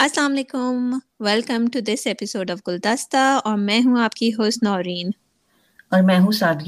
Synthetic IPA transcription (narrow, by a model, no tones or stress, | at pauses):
ɐslaːmɐleːkʊm | ʋɛlkə̃mʈud̪ɪsɛpɪsoːɖɔʋɡʊld̪ast̪aɔːɾmɛ̃ːɦũaːpkiɦoːst̪nɔːɾiːn | ɔːɾmɛ̃ːɦũsaːd̪j